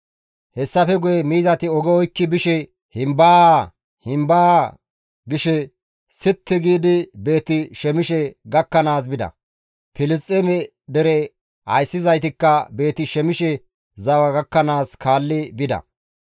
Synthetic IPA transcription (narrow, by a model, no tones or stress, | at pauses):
hɛsːɐfɛɡʊjɛmiːzɐt̪ɪɔɡɛɔjkːɪbɪʃɛ | hɪmbaː | hɪmbaː | ɡɪʃɛ | sɪt̪ːɪɡiːd̪ɪbe̞ːt̪ːɪʃɛmɪʃɛɡɐkːɐnaːs̬bɪd̪ɐ̰ | pɪlɪstʼːemɛ | d̪ɛɾɛ | hɐ̰jsːɪzɐjt̪ɪkːɐbe̞ːt̪ɪʃɛmɪʃɛ | zɐwɐɡɐkːɐnaːskaːlːɪbɪd̪ɐ̰